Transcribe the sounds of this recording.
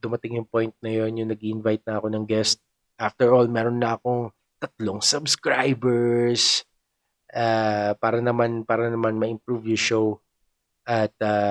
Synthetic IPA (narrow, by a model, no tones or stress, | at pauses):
d̪ʊmɐt̪ɪŋjʊŋpo̞jnt̪̚nɐjo̞njʊŋnɐɡ̚iʔɪnvajt̪̚nɐɐko̞nɐŋɡɛst̪̚ | ʔaft̪ɛɹʔolmɛːɾonːɐʔɐko̞ŋ | t̪ɐt̪̚loŋsɐbskɹajbɛɹs | ʔaːpaːɾɐnɐmanpaːɾɐnɐmanmɐʔɪmpɹuvjʊʃow | ʔɐt̪̚a